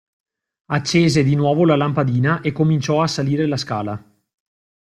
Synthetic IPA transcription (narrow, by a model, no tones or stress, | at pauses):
at͡ʃːeːzed̪inwɔːvolalampad̪iːnaʔekːomint͡ʃɔasaliːɾelaska̰ːla